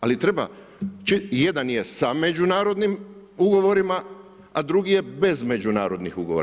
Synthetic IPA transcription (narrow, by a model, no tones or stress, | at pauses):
alit̪ɾe̞ba̰ | t͡ʃije̞d̪anje̞same̞d͡ʒunaːɾo̞d̪nim | uɡo̞ʋo̞ɾima | ad̪ɾuɡije̞be̞zme̞d͡ʒuna̰ːɾo̞d̪nixuɡoʋoɾa